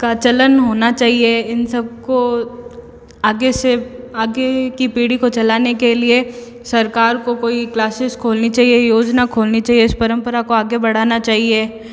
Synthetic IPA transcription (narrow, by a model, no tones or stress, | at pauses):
kat͡ʃɐlənɦoːnat͡ʃaːɦieɪnsɐb̚ko | aːɡeseaːɡekipiːɽikot͡ʃɐlaːnekelie | sɐɾkaːɾkokoːiklaːsɪskʰoːlnit͡ʃaːɦiejoːd͡ʒnakʰoːlnit͡ʃaːɦieɪspɐɾə̃mpəɾakoaːɡebɐɽ̤aːnat͡ʃaːɦieː